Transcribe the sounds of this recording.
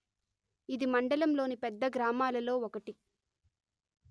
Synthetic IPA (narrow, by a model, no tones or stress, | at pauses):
id̪imɐɳɖɐlɐmlo̞ːnipɛd̪ːɐɡɾaːmaːlɐlo̞ːɔkɐʈi